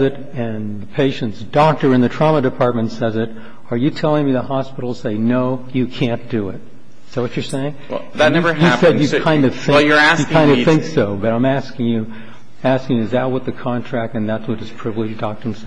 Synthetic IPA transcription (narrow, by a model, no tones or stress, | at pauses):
ɨɾ | ɨ̃nðəpʰeɪʃɨ̃ntsd̥ɔk̚tə˞ɨ̃nðɨtʰɹ̥ɑmədɨpʰɑɹt̚mɨ̃n̩tsɛzɨɾ | ə˞jɨtʰɛlˠɪ̃ŋmiðəhɑspɪɾl̩ˠseɪnoʊjɨkʰæ̃nd̥ɨɪt̚ | sowʌt͡ʃə˞seɪɪ̃ŋ | ðɨnɛvə˞ɨsɛdjɨkʰãɪ̃ndʌ̥θɪjəæjɨkãɪ̃ndɨθɪ̃ŋksoʊbʌɾãɪ̃mæskɪ̃ŋjʉ | æskɪ̃ŋjʉɨzaʊt̚wʌt̪̚ðɨkʰɑ̃ntʰɹ̥æk̚tɨ̃nðætswʌɾɨz̥pʰɹ̥ɪvlɨd͡ʒdɑk̚tə̃˞msɛ